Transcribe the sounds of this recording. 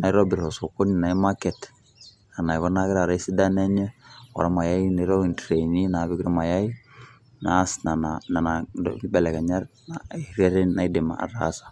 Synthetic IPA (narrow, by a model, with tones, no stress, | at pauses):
na˨i˦ɾɔ˦bi˨ɾɔ˨so˨ko˦ni˨na˨i˦ma˦kɛ˨t | a˨na˨i˨kɔ˦na˦kɪɾa˨ɾa˨˦i˦si˦da˦nɛ˦ɲɛ˦ɔ̰˨ɾa˦ma˨ja˦i˦na˨i˦ɾɔ˦i˨ntɾe˨ni˦na˨βi˦kɾɔ˦ma˨ja˦i˦ | na˨˦sna˨na˨na˨na˨dɔ̰ɡi˦bɛ˨lɛ˨ka˨ɲa˦ɾna˨ɾa˦ɾɛ˦nna˨i˦de˨ma̰˨a̰˨ɾa̰˦sḁ˨